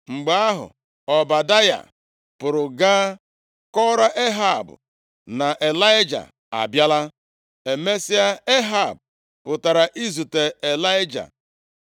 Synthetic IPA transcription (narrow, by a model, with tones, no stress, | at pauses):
ŋ͡m̩˨ɡ͡ba˦a˦ɦʊ̰˨ | ɔ˨ba˨da˦ja̰˨ | pʊ˨ɾʊ˨ɡaː˦ | kɔ˦ɾa˦ʔe˦ɦa˨bʊ̰˨ | na˨ʔe˨la˦jd͡ʒa̰˨ | a̰˨bja˦la˦ | e˨me˦si˦a˦e˦ɦa˨bʊ˨ | pʊ˨ta˨ɾa˨ʔi˦zu˨te˨e˨la˦jɪ˦d͡ʒa̰˨